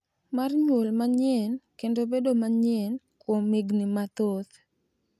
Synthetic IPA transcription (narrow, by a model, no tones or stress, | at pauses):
marɲwolmaɲɛnkendobedomaɲɛn | kwomiɡnɪmat̪ot̪